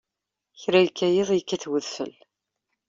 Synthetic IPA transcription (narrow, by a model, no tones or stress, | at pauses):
çɾæjkːæjɪðˤjəkːæθwəðfə̰l